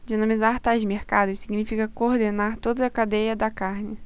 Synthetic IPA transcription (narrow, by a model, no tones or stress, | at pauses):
d͡ʒinɐmizaɾt̪aʒmeɾkad̪ʊsiɡnifikɐkoɾd̪enaɾt̪od̪ɐɐkad̪ejɐd̪ɐkaɾnɪ